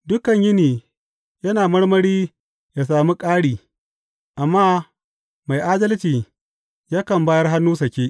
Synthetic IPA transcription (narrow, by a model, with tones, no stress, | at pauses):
dʊ˦kɐ˨ɲjɪ˦niː˨ | jɐ˦naː˨mɐ˦rɽmɐ˦ɽiː˦ | jaː˨s̬aː˨mi˦kʼaː˦ɽiː˨ | ʔa˨mːaː˦ | ma˨jʔa˦dɐ˦lt͡ʃiː˨ | jaː˦kɐ˨mbaː˦jɐ˦rɦa˦nːuː˦s̬ɐ˨kʲeː˦ʔ